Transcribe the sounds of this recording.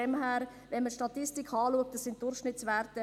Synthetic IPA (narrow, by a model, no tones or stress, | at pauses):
ɛmɦæːɾ | vʋɛnmətʃtɑt̪ɪstɪkʰɑːluək̚t̚dɑsɪnt̚d̥ʊɾχʃnɪtsʋɛːɾtə